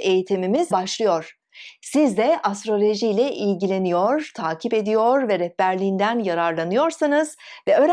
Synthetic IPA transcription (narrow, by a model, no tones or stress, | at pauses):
e̞jit̪ʰimimizbaʃlˠɯjo̞ɾ̥ | sizd̪ɛʔast̪ɾo̞lʲo̞ʒijlʲɛʔilɟilʲe̞nijo̞ɾ̥t̪ʰaːcʰipe̞d̪ijo̞ɾvɛɾɛhbæɾlʲiːnd̪ænjaɾaɾlˠanɯjo̞ɾsanɯz̥ | vɛøɾ